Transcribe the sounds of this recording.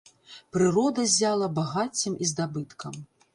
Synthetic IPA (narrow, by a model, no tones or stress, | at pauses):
pɾɨɾɔd̪ɐzʲalˠɐbaɣat͡sʲimʔizd̪abɨt̪kʰɐm